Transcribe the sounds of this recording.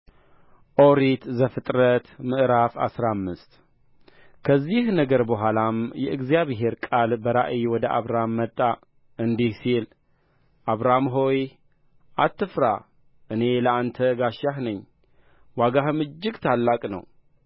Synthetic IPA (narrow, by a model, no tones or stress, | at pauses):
ʔoɾit̪zəfɨt̪ʼɾət̪mɨʔɾafa̰sɾamːɨst̪ | kʰəzːihnəɡəɾbəɦʷalamjɛʔɨɡzijaβɦe̞ɾkʼalbəɾa̰ʔiwɔd̪əʔa̰βɾamːət̪ʼːa | ʔɨnd̪ihsil | ʔaβɾamɦo̞j | ʔat̪ːɨfɾa | ʔɨne̞ləant̪ʰəɡaʃahnɨɲː | waɡahɨmɨd͡ʒːɪɡt̪ʰalːakʼnə̰w